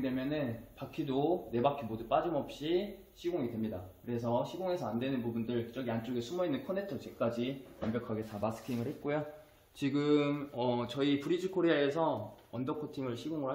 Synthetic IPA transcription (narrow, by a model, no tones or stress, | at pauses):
dwe̞mjʌnɯnpakʰidone̞bakʰibodup͈ad͡ʑimʌp̚ɕ͈i | ɕʰiɡoŋidwe̞mɲidakɯɾe̞s̬ʰʌɕʰiɡoŋe̞sʰʌandwe̞nɯnpubundɯɭki̥t͡ɕ͈ʌɡiant͡ɕ͈oɡesʰumʌinːɯnkʰonetʰʌt͡ɕek͈ad͡ʑinʌmbjʌkʰaɡe̞t͡ɕabasʰɯ̥kʰiŋɯɭhe̞t̚k͈ojo | t͡ɕiɡɯmʌt͡ɕʌipuɾid͡ʑikʰoɾeaesʰʌʌndʌkʰotʰiŋɯɭɕʰiɡoŋɯɭa